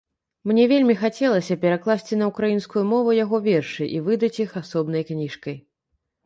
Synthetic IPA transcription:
mnʲɛvʲelʲmʲixat͡sʲɛlˠɐsʲɐpʲɛɾaklˠasʲt͡sʲinɐukɾajinskujumɔvujaɣɔvʲɛrʂɨʔivɨd̪ɐt͡sʲixasɔbnɐjknʲiʂkɐj

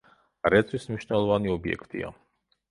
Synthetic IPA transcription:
ɾɛt̪sʰwismniʃnɛlˠɔvaniɔbiɛ̰kʰt̪ʼḭa̰

